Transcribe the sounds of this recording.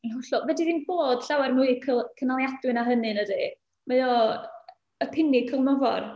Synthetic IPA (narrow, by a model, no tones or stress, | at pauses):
iɦɔɬɔvɛdiðiːnb̥oːd̥ɬawɛrnuːkʰəkʰənalˠjad̥wɨnaɦənɨnədi | majɔ | əpʰɪnikʰəlˠmɔvɔ̰r